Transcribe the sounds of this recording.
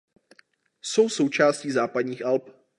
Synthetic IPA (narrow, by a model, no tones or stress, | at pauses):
so̞wsowt͡ʃaːsciːzaːpadɲiːxʔalp